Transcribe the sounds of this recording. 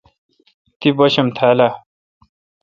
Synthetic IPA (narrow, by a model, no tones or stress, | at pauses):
t̪ibʌɕʌmt̪ʰaːla